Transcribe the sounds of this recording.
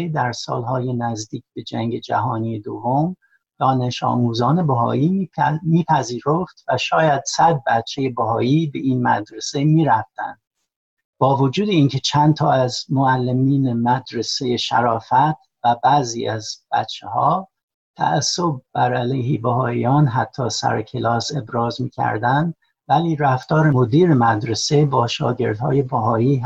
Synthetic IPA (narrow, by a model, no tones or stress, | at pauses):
ed̪æɾsɒ̰ːlɦɒːjenæzd̪iːcʰb̥e̞d͡ʒæŋɟe̞d͡ʒæ̰ɦɒːnije̞d̪ovːom | d̪̥ɒːneʃɒ̰ːmuːzɒːne̞bæɦɒ̰ːiːmiːpʰæziːɾoft̪væʃɒːjæd̪̥sæd̪̚bæt̪t͡ʃʰːe̞je̞bæɦɒːiːbeʔiːnmæ̰d̪ɾe̞se̞miːɾæft̪æ̰nd̪̥̚ | bɒːvod͡ʒuːd̪e̞iːncʰe̞t͡ʃʰænt̪ʰɒːæzmoælːemiːnemæd̪ɾe̞se̞jeʃæ̰ɾɒːfæt̪ | væbæːzḭːæzb̥æ̰t̪t͡ʃʰːehɒ̰ː | t̪ʰæ̰æsːob̚bæɾælejhibæhɒːijɒːnɦæt̪ʰːɒːsæ̰ɾecʰelɒːse̞bɾɒːzmiːcʰæ̰ɾd̪ænd̪ | væliːɾæft̪ɒːɾemod̪iːɾemæd̪ɾesebɒːʃɒ̰ːɟe̞ɾd̪hɒ̰ːje̞bæɦɒːiː